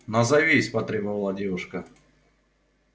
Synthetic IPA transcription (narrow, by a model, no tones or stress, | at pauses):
nɐzɐvʲesʲpɐt̪ɾʲebəvɐlˠadʲevʊʂkə